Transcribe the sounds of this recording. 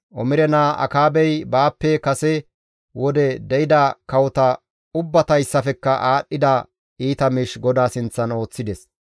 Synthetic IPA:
ʔɔmɪɾɛnaːʔɐ̰kaːbɛjbaːpːɛkɐsɛ | wɔd̪ɛd̪ɛɪd̪ɐkɐwɔt̪ɐ | ʊbːɐt̪ɐjsːɐfɛkːɐʔaːɗːɪd̪ɐ | iːt̪ɐmɪʃɡɔd̪aːsɪnt͡sːɐno̞ːt͡sːɪd̪ɛs

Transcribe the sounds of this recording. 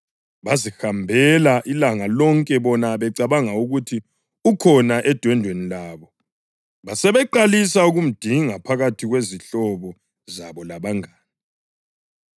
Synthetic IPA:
βazihambʱɛlaʔilaŋalɔŋkʼɛβɔnaβɛǀaβaŋauɣutʰi | ukʰɔnaʔɛd̥ʱwɛndʱwenilaːβɔ | βasɛβɛǃalisauɣum̩d̥ʱiŋapʰaɣatʰiɣweziɬɔβɔ | zaβɔlaβaŋaːni

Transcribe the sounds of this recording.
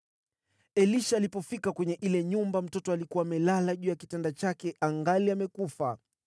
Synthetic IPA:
ɛliʃaːlipɔfikakwɛɲɛʔilɛɲumbam̩tɔtɔalikuwaːmɛlalaʄuːjakitɛndat͡ʃakɛʔaŋɡaliamɛkufa

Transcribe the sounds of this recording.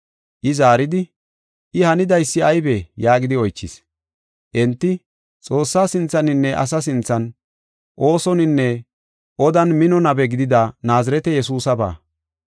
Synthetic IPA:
ʔɪzaːɾɪd̪ɪ | ʔɪhɐnɪd̪ɐjsːɪɐjbɛjaːɡɪd̪ɪɔjt͡ʃːɪs | ʔɛnt̪ːɪ | t͡sʼo̞ːsːaːsɪnt͡sːɐnɪnːɛʔɐ̰s̬ɐs̬ɪnt͡sːɐn | ʔo̞ːsɔnɪnːɛ | ʔɔd̪ɐnmɪnɔnɐbɛɡɪd̪ɪd̪anaːzɪɾɛt̪ɛjɛsuːsɐba̰ː

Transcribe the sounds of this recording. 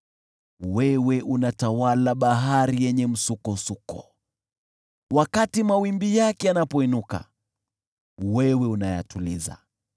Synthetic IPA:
wɛwɛʔunatawalaɓaɦaɾijɛɲɛm̩sukɔsukɔ̰ | wakatimawimbijakɛanapɔinuka̰ | wɛwɛunaja̰tulḭza̰

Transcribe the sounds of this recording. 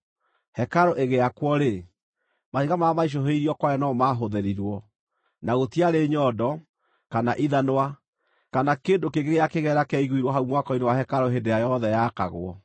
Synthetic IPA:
hɛkaɾoʔeɣeakwɔɾe | mahiɣamaːmaiʃ̬ɔɦeiɾiɔkwajɔnɔmaɦoðeɾiɾwɔ | naɣotiaɾeɲɔːdɔ | kanaʔiðanwa | kanakendokeŋɡeɣeakeɣɛɾakɛiɣwiɾwɔɦaumwakɔinewahɛkaɾoɦendeajɔðɛjaka̰ɣo̰ɔ̰

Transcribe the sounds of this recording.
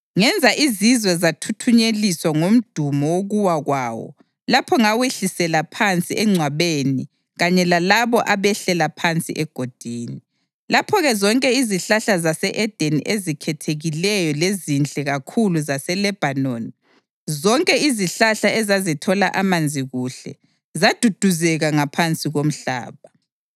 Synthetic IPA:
ŋɛnd͡zʱaʔizizwɛzatʰutʰuɲeliswaŋom̩d̥ʱumɔwoɣuwaɣwaːwɔ̰ | lapʰɔŋaweɬisɛlapʰant͡sʼiʔɛŋ͡ǀʱwaβeni | ɣaɲɛlalaβɔʔaβɛɬɛlapʰant͡sʼḭʔɛɡ̥ʱod̥ʱiːni | lapʰɔɣɛzɔŋkʼɛiziɬaɬazasɛʔɛd̥ʱenḭʔezikʰɛtʰeɣilɛjɔlezint͡ɬʼɛɣakʰuluzasɛlɛb̥ʱanoni | zɔŋkʼɛiziɬaɬaʔɛzazitʰɔlaʔamand͡zʱiɣuɬɛ̰ | zad̥ʱud̥ʱuzɛɣaŋapʰant͡sʼiɣom̩ɬa̰ːβa

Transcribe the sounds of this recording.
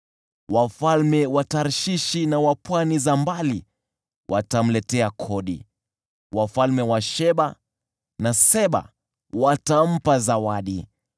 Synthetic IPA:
wafalmɛwataɾʃiʃinawapwanizambali | wʔa̰tam̩lɛtɛakʰɔɗḭ | wafalmɛwaʃɛɓa | nasɛɓa̰ | watam̩pazawaɗi

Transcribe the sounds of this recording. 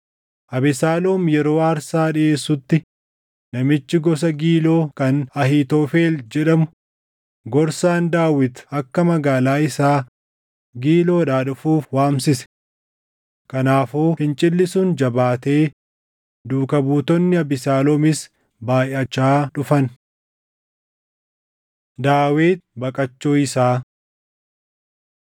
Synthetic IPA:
ʔɐbɪsaːloːmjɛɾo̞ːɐɾsaːᶑɪe̞ːsːʊt̪ːɪ | nɐmɪt͡ʃːɪɡɔs̬ɐɡiːlo̞ːkɐnɐɦiːt̪oːfe̞ːld͡ʒɛᶑɐmʊ | ɡɔɾsaːnd̪aːwɪt̪ɐkːɐmɐɡaːlaːɪsaː | ɡiːlo̞ːᶑaːᶑʊfuːfwaːmsɪsɛ̥ | kɐnaːfoːfɪnt͡ʃʼɪlːɪsʊnd͡ʒɐbaːt̪e̞ː | d̪uːkɐbuːt̪ɔnːɪɐbɪsaːlɔmɪs | baːjɐt͡ʃːaːᶑʊfɐn | d̪aːweːt̪̚bɐkʼɐt͡ʃːoːɪsaː

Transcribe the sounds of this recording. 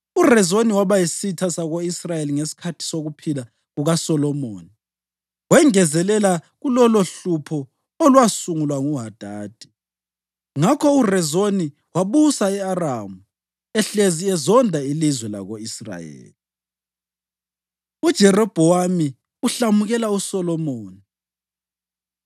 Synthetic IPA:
urɛzoniwaβajisitʰasaɣoisrajeliŋesi̥kʰatʰi̥soɣupʰila | ɣuɣasɔlɔmo̰ːni | wɛŋɛzɛlɛlaɣulɔloɬupʰɔ | olwasuŋulwaŋuɦad̥ʱaːd̥ʱi̥ | ŋakʰɔurɛzoni | waβusaɛaramu | ɛɬeziɛzɔndʱailizwɛla̰ɣoisra̰jḛːli | ud̥ʒ̥ʱɛrɔb̥ʱɔwami | uɬamuɣɛlausɔlɔmoːni

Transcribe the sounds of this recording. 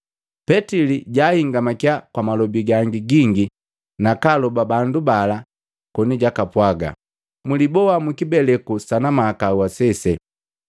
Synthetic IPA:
pɛtiliɟaːhiŋɡamakjakwamalɔbiɡaŋɡiɡiŋɡi | nakalɔbabandubala | kɔniɟakapwaɡa̰ | mulibɔamukibɛlɛkusanamaːkawasɛsɛ

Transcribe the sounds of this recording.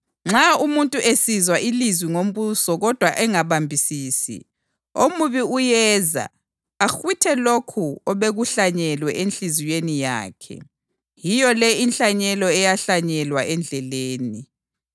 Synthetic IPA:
ŋ͡ǁaumuntʼuʔesizwaʔilizwiŋom̩βusɔɣɔd̥ʱwaʔɛŋaβambʱisiːsḭ | omuβiujɛza̰ | axwitʰɛlokʰuɔβeɣuɬaɲɛlwɛʔenɬizijenija̰ːkʰɛ̰ | jijɔlɛinɬaɲɛlɔɛjaɬaɲɛlwaɛnd͡ɮʱɛleːni

